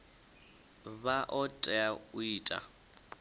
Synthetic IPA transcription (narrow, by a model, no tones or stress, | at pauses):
βaʔɔtʼɛaʊiːtʼa̰